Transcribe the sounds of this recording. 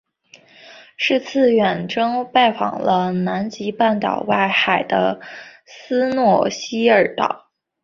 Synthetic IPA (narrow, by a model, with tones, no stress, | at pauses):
ʂɻ̩˥˧t͡sʰɹ̩˥˩ɥɛ˨˩nʈ͡ʂɤ˥ŋpa˥˩ɪfɑ̰˨˩ŋlə˦na˧˥nt͡ɕi˧˥pa˥˩nt̪ɑ̰˨˩ʊwa˥˩ɪxa˨˩ɪd̪ə̰˦ | sɹ̩˥nwɔ˥˩ɕi˥ə˞˨˩t̪ɑ̰˥˨˩ʊ